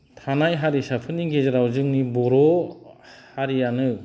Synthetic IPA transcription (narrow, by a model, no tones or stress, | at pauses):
tʰanajɦaɾisapʰɯnːiɡezaɾawzɯŋnibɔɾɔ | haɾijanɯ